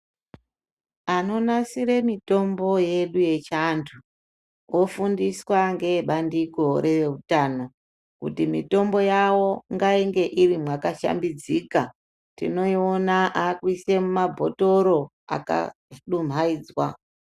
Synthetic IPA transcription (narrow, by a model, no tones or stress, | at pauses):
ano̞nasiɾe̞mito̞mbo̞je̞ɗuje̞t͡ʃantʰu | wʔo̞fundiswaŋɡe̞ɓandiko̞ɾe̞ʋeutano | kṵtimito̞mbo̞jawo̞ŋɡaiŋɡe̞ʔirimwakaʃa̰mbid͡zika | tḭno̞ionaʔakwise̞mumabʱo̞to̞ɾo̞ | a̰ka̰ | ɗum̤aiːd͡zwa